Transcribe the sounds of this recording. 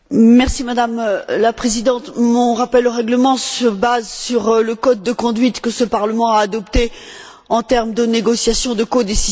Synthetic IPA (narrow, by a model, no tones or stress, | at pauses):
mɛʁsimad̪amlapχezid̪ɑ̃t̪mɔ̃ʁapɛloʁɛɡləmɑ̃səbazsyʁləkɔd̪̚ːəkɔ̃d̪ɥit̪kəsəpaʁləmɑ̃aːd̪ɔpt̪e | ɑ̃t̪ɛʁmd̪əneɡɔsjasjɔ̃d̪əkod̪esiz